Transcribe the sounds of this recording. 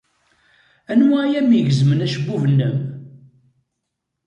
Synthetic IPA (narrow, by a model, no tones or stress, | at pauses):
ænwæjæmiʝəzmənæʃəbːuvənːəm